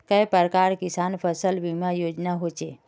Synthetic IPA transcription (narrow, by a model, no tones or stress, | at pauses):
kəjpəɾkaɾkisanpʰəsəlʋimajod͡ʒnaɦot͡ʃe